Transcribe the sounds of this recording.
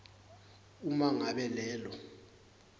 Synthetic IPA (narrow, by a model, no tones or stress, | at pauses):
umaŋaɓɛlɛːlɔ